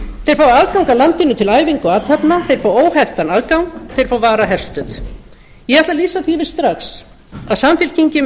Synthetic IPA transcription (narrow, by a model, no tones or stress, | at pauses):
θejɾ̥faːwaðkawŋkalant̪ɪnʏt̪ʰɪlaːjviŋkɔaːt̪ʰhapnaθejɾ̥faːwoːwhɛft̪anaːðkawŋkθejɾ̥fawvaːɾaɦɛr̥st̪ʏθ | jɛɣaht̪laliːsaθivɪɾ̥st̪ɾaxs | aðsamfɪl̥cʰiɲcɪ